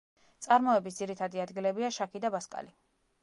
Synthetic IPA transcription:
t̪sʼaɾmɔɛbis̬d̪ziɾit̪ʰad̪iad̪ɡilɛbiaʃakʰid̪abaskʼa̰li

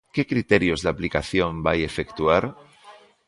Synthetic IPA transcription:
kekɾit̪eɾjozðaplikaθjõmbajefekt̪uaɾ

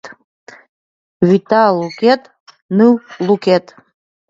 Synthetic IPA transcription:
tʼ | witʰalukʲʰetʼ | nɨwlukʲʰetʼ

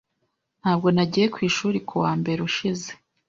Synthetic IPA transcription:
n̥haːb̚ɡo̞naɟiːje̞kwiːʃuːɾikʰuwaːmbe̞ɾeuʃize

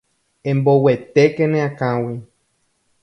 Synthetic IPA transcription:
ẽmbowet̪ekẽnẽãkãwi

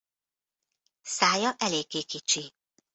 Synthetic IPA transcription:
saːjɒʔɛleːɡeːkit͡ʃi

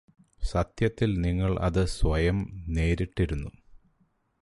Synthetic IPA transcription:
sɐt̪jɐt̪ːilniŋːɐɭʔɐ̰ðɨsʋɐjɐmne̞ːɾiʈːiɾunːu

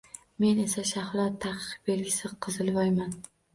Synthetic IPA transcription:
me̞ne̞saʃahlˠɒt̪ʰːaqʰɨ̥q̚be̞lɡʲɪsɪqʰɨzɪlˠvɒjman

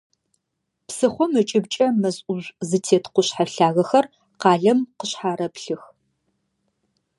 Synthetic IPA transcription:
psɨχʷɔmɨt͡ʃʼɪbt͡ʃʼɐmɐzʔʊʑʷzɨtʰeːtʰqʷʊɕħaɬaːɣɐxɐr | qɑːɮɐmqəɕħaːɾɐpɬɨx

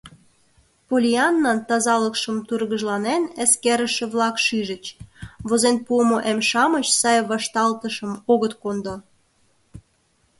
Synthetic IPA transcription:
polʲiɑnːɑnt̪ɑzɑləkʃəmt̪urɣəʒlɑnenəskeɾə̆ʃĕβlɑkʃyʒə̆t͡ɕβozenpuəmoʔemʃɑmət͡ɕsɑjβɑʃt̪ɑlt̪əʃəmoɣət̪kond̪o

